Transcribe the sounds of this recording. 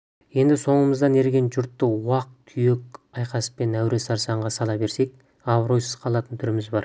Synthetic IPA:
je̞nd̪ɪso̞ɴəməzd̪ɑne̞ɾɡʲe̞nʒʊɾt̪ːəwɑq̚kʲʰʏje̞kʲɑjqɑsə̥pe̞næwɾe̞sɑɾsɑɴʁɑsɑlˠɑbe̞ɾse̞k̚ʲ | ɑvɾo̞jsəz̥qʰɑlˠɑt̪ənt̪ʰʏɾɪmɪzbɑɾ

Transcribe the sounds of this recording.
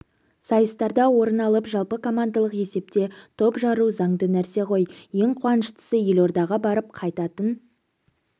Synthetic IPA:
sɑjəst̪ɑɾd̪ɑwo̞ɾənɑlˠəpʒɑlˠpəkʰo̞mand̪alˠəqe̞se̞p̚t̪e̞t̪ʰo̞pʒɑɾuzɑɴd̪ənæɾse̞qʰo̞jje̞ŋqʰʊwɑnəʃt̪ə̥səje̞lo̞ɾd̪ɑʁɑbɑɾəp̚qʰɑjt̪ɑt̪ən

